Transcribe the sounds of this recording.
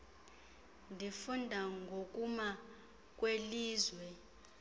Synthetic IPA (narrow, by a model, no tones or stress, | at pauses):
ndʱifundʱaŋɡʱok̬ʼuma | k̬ʼweliːzwɛ